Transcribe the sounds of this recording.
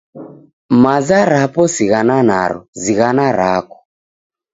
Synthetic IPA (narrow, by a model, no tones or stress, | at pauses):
mazaɾapɔsiɣanana̰ɾɔ̰ziɣanaɾakɔ̥